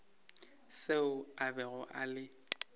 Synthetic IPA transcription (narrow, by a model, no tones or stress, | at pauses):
seʊabɛɣʊʔa̰lɪ